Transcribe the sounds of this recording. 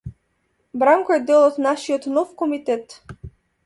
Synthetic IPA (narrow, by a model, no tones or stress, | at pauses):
bɾaŋkɔɛd̪ːɛlˠɔt̪naʃijɔt̪nɔfkɔmit̪ɛt̪